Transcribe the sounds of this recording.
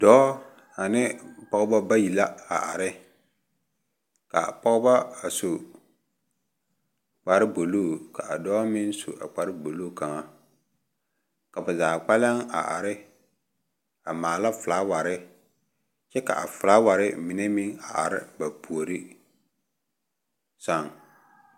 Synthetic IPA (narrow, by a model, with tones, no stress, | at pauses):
dɔː˦ | a˨nɪ˦pɔ˦ɣba˦ba˦ji˨la˦a̰˨ʔa̰˨ɾɪ˦ | ka̰˨pɔ˦ɣba˦a˨so˨ | k͡pa˨ɾɪ˦bo˨loː˦˨ka˨a˨dɔː˦mɪ˦n˦so̰˨ʔa̰˨k͡pa˨ɾɪ˦bo˨loː˦˨ka˨ŋa˦ | ka˨ba˨zaː˨k͡pa˦la˦ŋa̰˨ʔa̰˨ɾɪ˦ | a˨maː˨la˦fʊ˨laː˦wa˨ɾɪ˦ | t͡ʃɛ˦ka̰˨a̰˨fʊ˨laː˦wa˨ɾɪ˦mɪ˨ne˦mɪ˦ŋa˨ʔa̰˨ɾɪ˦ba˨pu˨o˨ɾɪ˦ | sa˦˨ŋ